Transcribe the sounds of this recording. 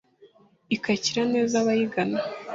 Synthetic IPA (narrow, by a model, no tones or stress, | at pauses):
ikaciɾane̞ːzaβajiɡana